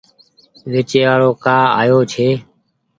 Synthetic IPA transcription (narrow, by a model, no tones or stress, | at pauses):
ʋeːt͡ʃeːʋaːɭoːkaːa̰ːjoːt͡ʃʰeː